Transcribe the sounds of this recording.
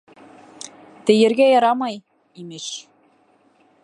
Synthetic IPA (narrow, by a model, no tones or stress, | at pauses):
t̪ɘ̆jɘ̆ɾɣæjɑɾɑmɑj | imɘ̆ʃ